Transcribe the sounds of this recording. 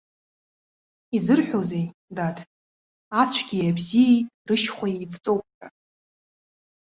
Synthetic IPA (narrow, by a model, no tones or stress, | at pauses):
izɨrħʷᶣozejdatʰ | at͡ɕʷʰɡʲijabzijejtʼrɨʃχʷaejvt͡sʼowp̚ʰʼħa